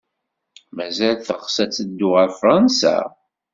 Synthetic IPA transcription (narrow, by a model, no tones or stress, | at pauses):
mæzælθəʁsæt͡sːəd̪ːʊʁəɾfɾˤɑnsæ̰